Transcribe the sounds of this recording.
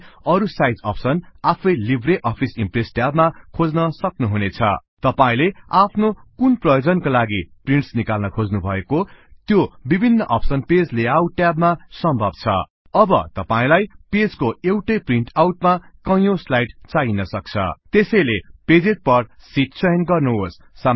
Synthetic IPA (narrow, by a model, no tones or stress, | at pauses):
ʌɾusajd͡zʌ̰psʌnapʰʌjlibʱreʔʌpʰisimpresʈjabmakʰod͡znʌsʌknuɦunet͡sʰʌ̰t̪ʌpaĩleapʰnokunprʌjod͡zʌnkolaɡipriɳʈsnikalnʌkʰod͡znubʱʌ̰ekot̪jobibʱinːʌʔʌpsʌnped͡zleawʈjabmasʌmbʱʌb̚t͡sʰʌ̰ | ʌbʌt̪ʌpaĩlajped͡zkoewʈʌjpriɳʈawʈ̚makʌ̃jõslajʈt͡sainʌsʌk̚t͡sʰʌ̰t̪esʌjleped͡zet̪̚pʌrsit̚sʌjnɡʌrnuɦosːa